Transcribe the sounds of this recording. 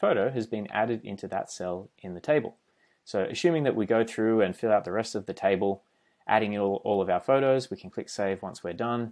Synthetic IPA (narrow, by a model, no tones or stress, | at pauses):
foʊɾoʊɨzbɨ̃næ̰ɾɨɾɪ̰̃ntʰʉðə̰tsɛlˠʔɨ̃nðɨtʰeɪb̰l̩ˠ | soʊʔɨ̰sʉ̃mɪ̃ŋðɨʔ̚wiɡoʊθɹʉɨ̃nfɪlˠaʊt̪̚ðɨɹɛstʌvðɨtʰeɪbəl̩ˠ | ʔæ̰ɾɪ̃ŋˠɔlˠʌvaʊə˞foʊɾoʊzwikʰn̩kʰl̥ɪkseɪvwʌ̃nswi˞dʌ̃n